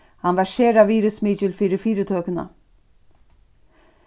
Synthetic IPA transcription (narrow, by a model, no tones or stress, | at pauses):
hanʋæʃeːɾaʋiːɾʉsmiːt͡ʃɪlfiːɾɪfiːɾət̪ʰøːkəna̰